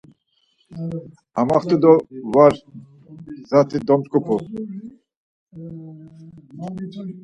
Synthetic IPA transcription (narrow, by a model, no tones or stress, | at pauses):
amaχt̪ʰud̪ɔvaɾ | zat̪ʰid̪ɔmt͡skʼupʰu